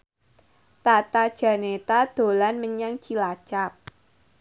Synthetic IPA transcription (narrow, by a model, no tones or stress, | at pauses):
t̪at̪ad̥ʒ̥ä̤net̪ad̪̥o̤lanməɲaŋt͡ʃilḁt͡ʃap̚